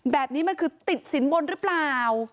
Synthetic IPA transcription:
bɛː˨˩p̚niː˦˥ma˧nkʰɯː˧t̪i˨˩t̪̚si˩˦nbo˧nɾɯ˦˥plaː˨˩w

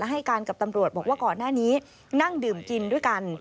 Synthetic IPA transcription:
ɛ˦˥ɦa˥˩jkaː˧nka˨˩p̚t̪a˧mɾu˨˩ət̪̚bɔː˨˩k̚waː˥˩kɔː˨˩nːaː˥˩niː˦˥ | na˥˩ŋdɯː˨˩mki˧ndu˥˩əjka˧n

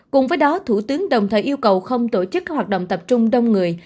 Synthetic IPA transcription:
kʊ˨˩ŋ͡mvəː˨˦jɗɔ˨˦t̪ʰu˧˩t̪ɨ˨˦əŋɗə˨˩wŋ͡mt̪ʰəː˨˩ʔi˧əwkə˨˩wxə˧wŋ͡mt̪o˧˩t͡ɕɨ˦˥k̚ːaː˦˥k̚wa˨˩ɗə̰˧˨ŋ͡mt̪ə˨˩p̚t͡ɕʊ˧ŋ͡mɗə˧wŋ͡mŋɨ˨˩əj

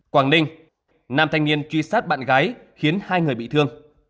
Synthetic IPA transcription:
kwaː˨˧˩ŋɗï˧ŋ̟ | naː˧˩mt̪ʰa˨˩jŋ̟ni˧˩ənt͡ɕwi˧saː˦˥t̚ɓa̰ː˧˨nɣaː˨˦j | xi˨˦ənhaː˧jŋɨ˨˩əjɓḭ˧˨t̪ɨ˧əŋ

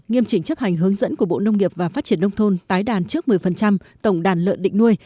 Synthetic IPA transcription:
ŋi˧əmt͡ɕï˧˩ŋ̟t͡ɕə˦˥p̚ha˨˩jŋ̟ɦɨ˨˦əŋzə̰˧˥nku˧˩əɓo̰˧˨nə˧wŋ͡mŋi˨˩əp̚vaː˨˩faː˦˥t̚t͡ɕi˧˩ənːə˧wŋ͡mt̪ʰo˧nt̪aː˨˦jɗaː˨˩nt͡ɕɨ˦˥ək̚mɨ˨˩əjfə˨˩nt͡ɕa˧m | t̪ə˧˩wŋ͡mɗaː˨˩nlə̰ː˧˨nɗḭ˧˨ŋ̟nu˧əj

